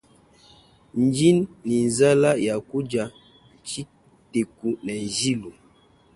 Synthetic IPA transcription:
n˨˦d͡ʒi˦nːi˨n˨za˦la˦ja˨ku˦d͡ʒa˨ | t͡ʃi˦ | te˨ku˨nɛ˨zi˦lo˨

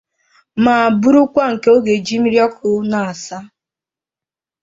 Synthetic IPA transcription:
maː˨a˨bu˦ɾu˦kʷa˦ŋ̩˨ke˦o˦ɡe˨d͡ʒi˦m̩˦ɾjɔ˦kʰʊ˨na˨a˨sa˦

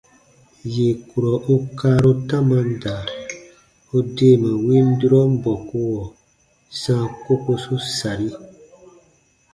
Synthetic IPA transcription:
je˨ku˨ɾɔ˨ʔo˦kaː˦ɾo˦tã˦mã˧n˦da˨ | o˦deː˦˨mã˨wi˦m˦di˦ɾɔ˦m̩˦bɔ˨ko˦wɔ˨ | sãː˦˨ko˦ko˧su˦sa˨ɾi˦

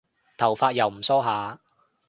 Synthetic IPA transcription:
t̪ʰɐ˨˩wfaː˧t̚jɐ˨˩wm̩˨˩sɔː˥ɦaː˨˥

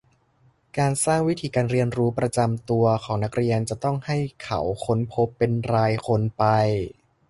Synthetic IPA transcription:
kaː˧nsaː˥˩ŋwi˦˥t̪ʰiː˧˩kaː˧nɾi˧ənɾuː˦˥pɾa˧t͡ɕa˧mt̪u˧ɐkʰɔː˩˦ŋna˦˥k̚ɾi˧ənt͡ɕa˨˩t̪ɔ˥˩ŋha˥˩jkʰa̰˩˦wkʰo˦˥npʰo˦˥pːe˧nɾaː˧jkʰo˧npa˧j

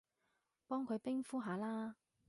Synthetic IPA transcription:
pɔː˥ŋkʰɵ˨˧ɥpɪ˥ŋfuː˥ɦaː˨˧˥laː˥

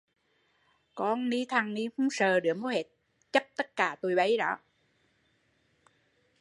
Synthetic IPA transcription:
kɔ˧nni˧t̪ʰa˨˧˩ŋni˧hu˧˦ŋ͡msəː˨˩ɗɨ˨˩əmo˨˦he˨˩t̚ | t͡ɕə˦˥p̚t̪ə˦˥t̚kaː˧˩t̪o˧˩jɓə˨˦jɗɔ̰˨˦

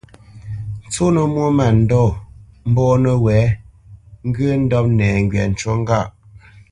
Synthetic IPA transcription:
n̩˨t͡so˦nə˨mwo˦ma˨n̩˨dɔ˦˨m̩˦bɔː˦nə˨wɛː˨˦ | ŋ̩˦ɡə˦n̩˦dɔ˦p̚nɛː˨ŋ̩˦ɡɥɛ̰˨n̩˨t͡ʃo˦ŋ˦ɡa˦˨ʔ

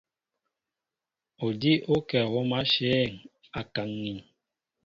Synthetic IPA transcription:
o˨di˦ʔo˦kɛ˨wo˦ma˦ʃeː˦˨ŋ | a˨ka˨ŋːi˨n

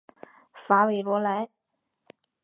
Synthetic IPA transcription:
fa˧˥we˧˥ɪlwɔ˧˥la˧˥ɪ

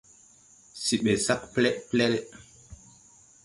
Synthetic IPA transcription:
si˨ɓe˨sa˦kplɛ˦ʔplɛ˦ɾɛ˦

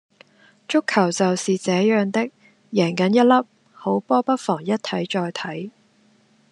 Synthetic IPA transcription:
t͡ʃʊ˥kʰːɐ˨˩wt͡sɐ˨wsiː˨t͡sɛː˨˥jœː˨ŋt̪ɪ˥k̚ | jɛː˨˩ŋkɐ˨˥njɐ˥t̚lɐ˥p̚ | ho˨˥wpɔː˥pɐ˥t̚fɔː˨˩ŋjɐ˥t̚t̪ʰɐ˨˥jt͡ʃɔː˧jt̪ʰɐ˨˥j

